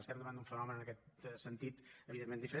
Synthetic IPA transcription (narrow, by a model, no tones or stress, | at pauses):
əst̪ɛmɡ̪əβand̪uɱfənɔmənənəkɛt̪̚sənt̪it̪əβiðemːend̪ifəɾe